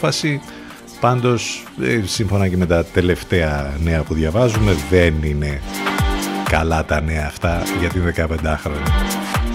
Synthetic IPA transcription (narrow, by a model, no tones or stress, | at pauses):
fɐsi | pɐnd̪o̞ssiɱfo̞nɐce̞me̞t̪ɐt̪e̞le̞ft̪e̞ɐne̞ɐpuðjʝɐvɐzume̞ðe̞nine̞ | kɐlɐt̪ɐne̞ɐːft̪ɐʝɐt̪inðe̞kɐpe̞nd̪ɐxɾo̞ɲɐ